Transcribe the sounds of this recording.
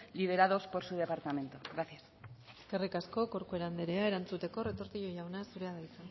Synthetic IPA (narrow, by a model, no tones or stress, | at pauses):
lið̞e̞ɾaðo̞spo̞ɾsuð̞e̞paɾt̪amẽ̞nt̪oɣɾaθjaseske̞rikasko̞ko̞ɾkue̞ɾand̪e̞ɾeae̞ɾant͡sut̪e̞ko̞re̞t̪o̞ɾt̪iʎo̞ʝawnasuɾe̞aðajt͡se